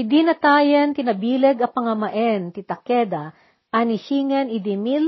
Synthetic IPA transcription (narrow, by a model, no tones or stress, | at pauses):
ɪd̪inɐt̪aːjɐnt̪ɪnɐbiːlɛɡɐpɐŋɐmɐʔɛnt̪ɪt̪ɐkɛd̪ɐ | ʔɐniʃiːŋɛnɪd̪ɪmil